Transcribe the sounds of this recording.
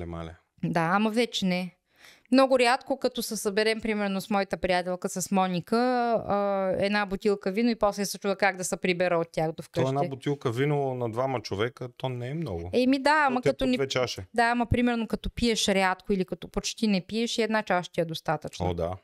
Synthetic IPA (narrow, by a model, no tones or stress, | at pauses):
lɛma̰lʲɛ | d̪aamɐvɛt͡ʃɛnɛ | mnɔɡʊɾjat̪kokɐt̪ɔsɛsəbɛɾɛmpɾimɛɾnosmɔjit̪əpɾijat̪ɛlˠkəsɐsmɔnʲikəː | ɛ̰d̪nabot̪ilˠkəvinoipɔslɛsɐt͡ʃuvəkaɡ̚d̪ɐsəpɾibɛɾəot̪ːʲjaxd̪ofk̪ɔəɛnaɛbot̪ilˠkəvinolˠənɐd̪vamɐt͡ʃovɛkət̪ɔnɛːmnɔ̰ɡʊ̰ɛmid̪aamɐk̪ɐt̪ɔnɛɛt͡ʃaʃɛd̪aamɐpɾimɛɾnokɐt̪ɔpiɛʃɾat̪kʊilikɐt̪ɔpot͡ʃt̪inɛpiɛʃiɛd̪nat͡ʃaʃt̪iɛd̪ost̪at̪ət͡ʃno̰d̪a̰